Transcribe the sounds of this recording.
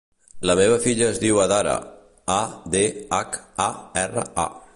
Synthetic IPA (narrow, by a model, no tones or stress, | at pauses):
ləmeβ̞əfiʎəːzðiwəðaɾə̰ | ad̪eakaɛrə̰a̰